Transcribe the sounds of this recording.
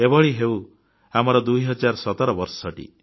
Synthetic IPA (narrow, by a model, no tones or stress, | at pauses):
ebɔɭiɦew | amɔɾɔd̪ujɦɔd͡ʒaɾsɔt̪ɔɾɔbɔɾsɔʈḭ